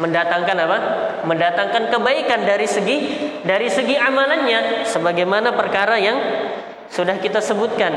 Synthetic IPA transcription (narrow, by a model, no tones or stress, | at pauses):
məndat̪aŋkanapaməndat̪aŋkankəbaikandaɾisəɡidaɾisəɡiamalanɲasəbaɡajmanapərkaɾajaŋ | sudahkit̪asəbut̪̚kan